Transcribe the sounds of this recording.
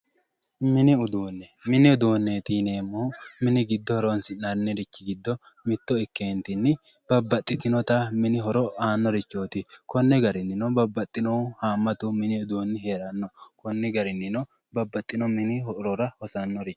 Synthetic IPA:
mɪnɪʊd̪uːnːɛmɪnɪʊd̪uːnːet̪iːne̞ːmːoːmɪnɪɡɪd̪ːɔhɔɾoːnsɪɐɾnːɛɾɪt͡ʃːɪɡɪd̪ːɔ | mɪt̪ːɔɪkːeːnt̪ɪnːɪ | bɐbːɐt̪ʼːɪt̪ɪnɔt̪ɐmɪnɪɦɔɾɔaːnːɔɾɪt͡ʃːoːt̪ɪkɔnːɛɡɐɾɪnːɪnɔbɐbːɐt̪ʼːɪnɔhaːmːɐt̪ʊmɪnɪʊd̪uːnːɪɦe̞ːɾɐnːɔkɔnːɛɡɐɾɪnːɪnɔ | bɐbːɐt̪ʼːɪnɔmɪnɪɦɔɾɔɾɐhɔsɐnːɔɾɪt͡ʃː

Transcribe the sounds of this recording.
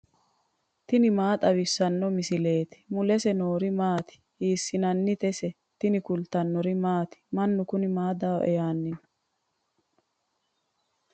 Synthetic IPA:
t̪ɪnɪmaːt̪ʼɐwɪsːɐnːɔmɪsɪle̞ːt̪ɪ̥mʊlɛsɛnoːɾɪmaːt̪ɪ̥ | hiːsːɪnɐnːɪt̪ɛsɛ | t̪ɪnɪkʊlt̪ɐnːɔɾɪmaːt̪ɪ̥mɐnːʊkʊnɪmaːd̪aːʔɛ̰jaːnːɪn

